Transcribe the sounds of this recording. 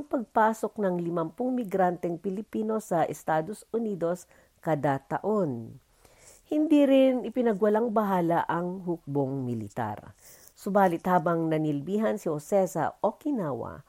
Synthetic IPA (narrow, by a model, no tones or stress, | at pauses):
ŋpɐɡ̚paːso̞k̚nɐŋlɪmɐmpʊŋmɪɡɾant̪ɛŋpɪlɪpiːno̞sɐʔɛst̪aːd̪osʔʊniːd̪o̞s | kɐd̪at̪ɐ̰ʔo̞n | hɪnd̪iɾɪnɪpɪnɐɡwɐlaŋbɐɦaːlɐʔɐŋɦʊk̚boŋmɪlɪt̪a̰ɾ | sʊbaːlɪt̪haːbɐŋnɐnɪlbiːɦɐnsihosɛsɐ̰okɪnaːwɐ̰